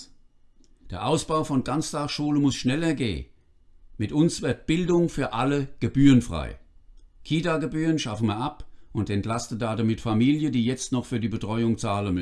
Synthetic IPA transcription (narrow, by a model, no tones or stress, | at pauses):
d̥eːɐʔaʊsb̥aʊfɔnɡ̥ant͡sd̥aχʃuːləmʊsʃnɛlɐɡeː | mɪtʔʊnsv̥ɪɐt̚b̥ɪldʊŋfyːɐʔaləɡ̥əbyːʁənfʁ̥a̰ɪkʰiːtaːɡəbyːʁənʃafəmɐɐʔapʔʊntɛntlastədaːdamɪtfamiːljədiːjɛt͡stnɔχfyːɐdiːbətʁ̥ɔʏʊŋt͡saːlənm